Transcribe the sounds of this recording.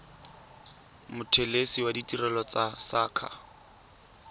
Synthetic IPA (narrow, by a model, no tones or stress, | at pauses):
mʊtʰelesiwaditʼirɛlɔt͡sasaːkʰa̰